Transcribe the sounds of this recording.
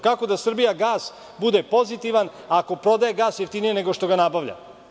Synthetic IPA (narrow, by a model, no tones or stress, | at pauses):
kako̞d̪asr̩bijaɡaːs | bud̪epo̞zit̪iʋan | aːko̞pɾo̞d̪ajeɡaːsjeft̪inije̞neɡo̞ʃt̪o̞ɡanabaʋʎa̰